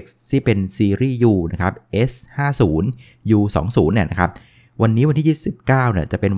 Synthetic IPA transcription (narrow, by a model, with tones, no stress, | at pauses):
k̚st̪ʰiː˥˩pe˧nsiː˧ɾiː˥˩juː˧na˦˥kʰa˦˥p̚ʔe˦˥shaː˥˩suː˩˦n | juː˧sɔ̰ː˩˦ŋsuː˩˦nːi˥˩na˦˥kʰa˦˥p̚ | wa˧nːi˦˥wa˧nt̪ʰiː˥˩iː˦˥tsi˨˩p̚kaː˥˩wni˥˩ɐt͡ɕa˨˩ʔpe˧n